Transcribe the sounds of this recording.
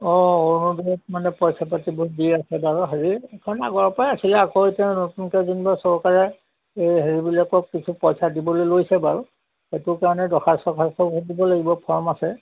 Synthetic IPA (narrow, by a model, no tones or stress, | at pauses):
ɔonɔbiɔtmanɛpɔjsap̬atibɔdiasɛbaɹuɦaɹikaɹɔnɛa̰ɡɔɹpajasilɛakoitanotunkɛzinbasɔɹkaɹɛ | ejɦeɹibilakɔkːit͡ʃʰupɔjsadibɔlojlojsɛbaɹu | xetʊkaɹɔnɛdɔxʰasɔkʰastɔɦedibɔlaɡibɔpʰɔɹmasɛ